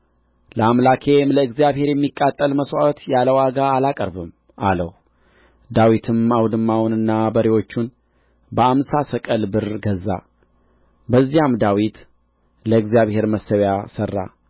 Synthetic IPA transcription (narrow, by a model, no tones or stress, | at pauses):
ləamlakʰe̞mləɨɡzijaβhe̞ɾjɛmːikʼːat̪ʼːəlməswawt̪jaləwaɡaːlakʼəɾbɨm | ʔa̰ləh | d̪awit̪ʰɨmawd̪ɨmːawunɨnːabəɾewo̞t͡ʃːun | bəamsasəkʼəlbɨɾɡəzːa̰ | bəzːijamd̪awit̪ | ləɨɡzijaβhe̞ɾməsəβjasərːa̰